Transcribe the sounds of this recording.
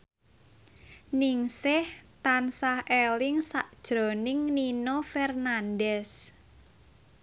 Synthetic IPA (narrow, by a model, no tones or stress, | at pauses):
nɪŋsɪht̪ansahelɪŋsaʔd̥ʒ̥ɾɔnɪŋninofɛrnandɛs